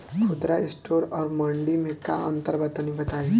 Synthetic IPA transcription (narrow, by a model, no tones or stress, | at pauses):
kʰud̪ɾaisʈoɾɔɾməɳɖimeka̰ə̰nt̪əɾbət̪ːanibət̪aɦi